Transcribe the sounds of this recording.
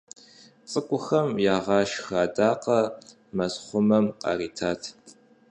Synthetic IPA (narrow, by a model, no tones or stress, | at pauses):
t͡sʼɨkʷʼʊxɐmjaːʁɑːʃxaːdaːqɐ | mɐsχʷʊmɐmqʼɑ̰riːtʰaːtʰ